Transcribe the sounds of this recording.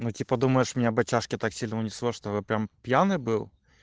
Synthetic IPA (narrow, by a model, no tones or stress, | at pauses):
nutʲipɐd̪umɐjɛʂmʲnʲɛbɐt͡ɕaʂkʲɪt̪aksʲilʲnɐʊnʲislˠɔʂt̪ɔvɨpɾʲampʲjanɨbɨw